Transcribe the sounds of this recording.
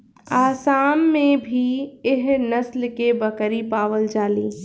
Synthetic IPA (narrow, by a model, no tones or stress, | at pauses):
aːsaːmːẽbʱiɪɦnɐslkebəkɾipaːʋəld͡ʒaːliː